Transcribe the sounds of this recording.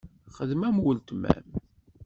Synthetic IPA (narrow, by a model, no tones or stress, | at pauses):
χəðmæmwəlt̪mæ̰m